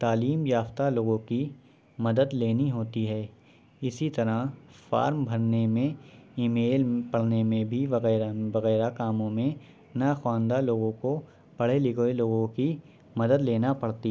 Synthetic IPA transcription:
t̪aːliːmjaːft̪aloːɡõki | mɐd̪əd̪leːniɦoːt̪iɦɛː | ɪsit̪ɐɾafa̰ːɾmbʱɐɾnemẽiːmeːlpɐɽ̤nemẽbʱiʋɐɣɛːɾʋɐɣɛːɾakaːmõmẽ | naxwaːnd̪aloːɡõko | pɐɽ̤elɪɡoeloːɡõki | mɐd̪əd̪leːnapɐɽt̪i

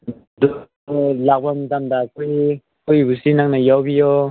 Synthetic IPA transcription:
d̪u | lak̚bamt̪amd̪akuj | kujbusinaŋnajawbijɔ

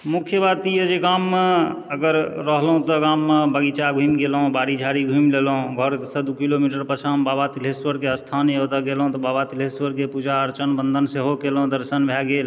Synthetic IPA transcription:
mukʰjəbat̪ijəd͡ʒeɡamːe | əɡəɾːəɦlɦũt̪ɔɡamːebəɡit͡ʃaɡʱumɡelɦũbaɽid͡ʒʱaɽiɡʱumlelũɡʱəɾsəd̪ukilomiʈəɾpət͡ʃʰambabat̪ileswəɾkeəst̪ʰanət̪əɡelɦũt̪ɔbabat̪ileswəɾkepud͡ʒaəɾt͡ʃənbənd̪ʱənseɦokelɦũd̪əɾsənbʱjaɡel

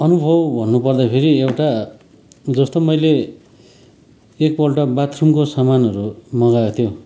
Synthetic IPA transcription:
ʌnubʱʌbbʱʌnːupʌrd̪apʰeɾiewʈa | d͡zʌst̪omʌjle | ek̚bʌlʈʌbat̪ʰrumkosamanʌɾumʌɡaet̪ʰjo

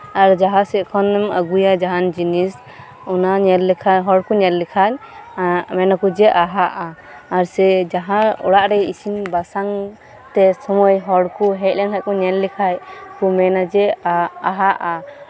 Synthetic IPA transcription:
aɾd͡ʒaɦãsɛt̪̚kʰɔnːɛmə̰ɡujad͡ʒaɦand͡ʒinis | ɔnaɲɛllːɛkʰaɦɔɽkuɲɛllikʰaɲ | mɛnakud͡ʒɛʔaɦaʔaː | ɾsɛd͡ʒaɦãɔ̰ɽaʔɾɛisinbasaŋ | t̪ɛsɔmɔjɦɔɽkuɦɛc̚lɛŋɦaʔkɔɲɛllikʰajkumɛnad͡ʒɛaɦaʔa

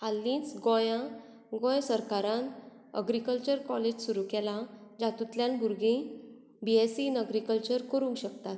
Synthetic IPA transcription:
alːĩt͡sɡɔ̃jã | ɡɔ̃jsəɾkaɾãn | ə̰ɡɾikəlt͡ɕəɾkɔled͡ʑsuɾukɛlãd͡ʑat̪ut̪ljãnbuɾɡĩ | biesiːnəɡɾikəlt͡ɕəɾkəɾũŋkɕəkt̪at̪

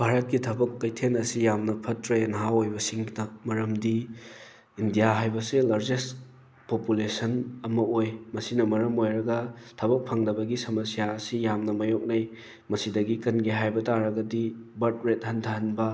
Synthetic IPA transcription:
bʱaɾɐt̚kitʰɐbɐkːɐjtʰenɐsijamnɐpʰɐtɾejnɐɦawojbɐsiŋdɐmɐɾɐmdi | indijaɦajbɐselaɾd͡ʒest | populesɐnɐmɐojmɐsinɐmɐɾɐmojɾɐɡɐtʰɐbɐk̚pʰɐŋdɐbɐɡisɐmɐsijaɐsijamnɐmɐjok̚nɐj | mɐsidɐɡikɐnɡiɦajbɐtaɾɐɡɐdibɐɾt̚ɾet̚hɐntʰɐɦɐnbɐ

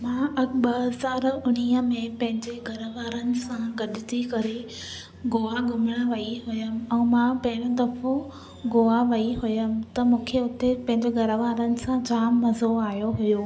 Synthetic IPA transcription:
mãːʔɐɓɐɦəzaːɾʊɽ̃ijəmẽpɐ̃ɦɪ̃ɲd͡ʑeɡʱɐɾəʋaːɾənɪ̆sãɡɐɗɪt̪ʰikɐɾe | ɡoːaɡʊmɪɽ̃əʋɐiɦʊjəm̆ɛ̃ːmãːpɐ̃ɦɪ̃ɾod̪ɐfo | ɡoːaʋɐiɦʊjəm̆t̪ɐmũːkʰeʊt̪epɐ̃ɦɪ̃ɲd͡ʑeɡʱɐɾəʋaːɾənɪ̆sãd͡ʑaːmːɐzoaːɦijoɦʊjoː

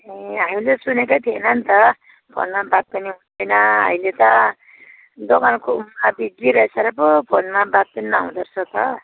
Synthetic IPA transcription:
eamilesunekajt̪ʰienʌnt̪ʌ | pʰo̰nmabat̪̚pʌniɦund̪ʌjnʌa̰milet̪ʌ | d̪okankoumːabiɡiɾʌesʌɾʌpopʰonmabat̪̚pinimaɦũd̪ʌrt͡sʰʌt̪ʌ

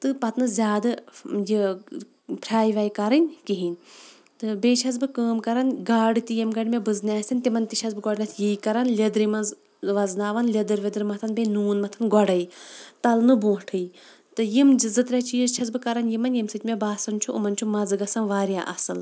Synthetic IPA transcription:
t̪ɨpɐt̪nɨzʲaːd̪ɨji | pʰɾʲaːjʋaːjkɐɾɨnʲkiɦinʲ | t̪ɨbeːt͡ʃʰɐz̬bɨkəːmkɐɾɐnɡaːɖɨt̪ijimɡɐɽʲmebɨznʲaːsʲinʲt̪imɐnt̪it͡ʃʰɐzbɨɡɔɖnʲɐt̪ʰjiːkɐɾɐnlʲɐd̪ɾimɐnz | ʋɐznaːʋɐnlʲɐd̪ɨɾʋʲɐd̪ɾimɐt̪ʰɐnbʲenuːnmɐt̪ʰɐnɡɔɽɐjt̪ɐlnɨbõːʈʰɨj | t̪ɨjimɨzɨt̪ɾʲat͡ʃiːzt͡ʃʰɐzbɨkɐɾɐnjimɐnʲjimsɨt̪ʲmebaːsɐnt͡ʃʰuʔṵmɐnʲt͡ʃʰumɐzɨɡɐsɐnʋaːɾjaːʔɐsɨl

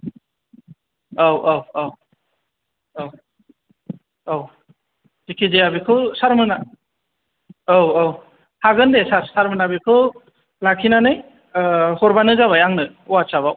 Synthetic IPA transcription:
awawaw | aw | aw | zikʰizejabikʰɯsaɾmɯna | awaw | haɡɯndesaɾsaɾmɯnabikʰɯ | lakʰinanɯ | hɔɾbanɯzaβajaŋnɯ | uwasaβaw

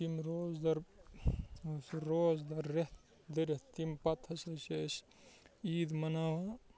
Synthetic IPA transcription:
t̪imɾoːzd̪ɐɾ | sɾoːzd̪ɐɾːeht̪ | d̪ɐɾet̪t̪impɐt̪ʰɐsɐses | iːd̪mɐnaːwa

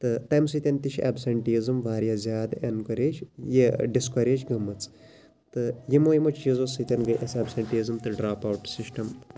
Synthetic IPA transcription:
t̪ɨt̪ɐjmsɨt̪ʲɐnt̪iʃʰɐ̰bsɐɳʈizɨmʋaːɾjazʲjaːd̪enkɐɾeːt͡ʃjeɖiskɐɾeːd͡ʒɡɐmːɐt͡s | t̪ɨjimoːjimot͡ʃʰjizosɨt̪ʲɐnɡɨʔɐsɐbsɐɳʈiːzɨmt̪ɨɖɾaːpɐwʈsisʈɐm

